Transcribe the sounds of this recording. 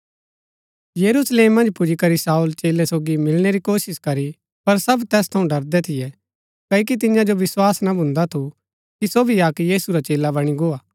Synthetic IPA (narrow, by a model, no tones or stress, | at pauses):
jɐɾusleːmːɐ̃nd͡ʒpʊd͡ʒikɐɾisaːult͡ʃeːlɛsoːɡimɪlɽ̃eɾikoːsɪskɐɾi | pɐɾsɐbt̪ɛːst̪ʰɐũɖɐɾd̪ɛt̪ʰɪjɛ | kɐːik̬it̪̬ɪɲjãd͡ʒoʋɪswaːsnabʱʊ̃nd̪at̪ʰu | kisobʱiaːkjiːsuɾat͡ʃeːlabɐɽ̃iɡoːaː